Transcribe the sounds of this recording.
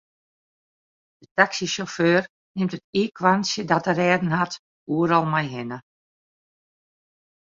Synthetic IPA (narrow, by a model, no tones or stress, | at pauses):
d̥ətaksisoføːr | nɪmtətiːkʰwansjədatərɛːdn̩hat | uəɾɔlˠmajɦɪnə